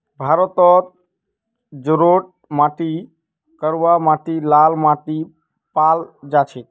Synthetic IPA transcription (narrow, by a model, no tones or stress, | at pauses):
bʱaːɾɔt̪ɔt̪̚ | d͡ʒʊɾoʈ̚ | maʈi | kəɾʋamaʈilaːlmaʈi | paːld͡ʒat͡ʃʰe